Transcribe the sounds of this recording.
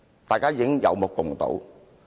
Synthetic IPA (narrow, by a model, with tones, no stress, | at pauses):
t̪aː˨jkaː˥jɪ˨˥ŋjɐ̰˨˧wmʊ˨˩kːʊ˨˩ŋt̪o̰˨˥w